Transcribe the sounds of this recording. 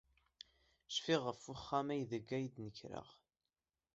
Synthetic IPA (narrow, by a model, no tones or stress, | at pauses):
ʃfiʁəfʊχːæmæjðəɡːæjd̪nəçɾə̰ʁ